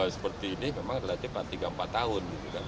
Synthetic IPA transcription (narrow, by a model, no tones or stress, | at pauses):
asə̥pərt̪iːnɪmemaŋadalat̪ipat̪ːiɡaəmpat̪ːaʊnɡit̪ukan